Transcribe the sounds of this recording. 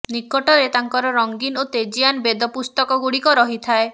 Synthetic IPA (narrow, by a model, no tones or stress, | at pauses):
nikɔʈɔɾet̪aŋkɔɾɔɾɔŋɡinot̪ed͡ʒianbed̪ɔpust̪ɔkɔɡuɽikɔɾɔɦit̪ʰae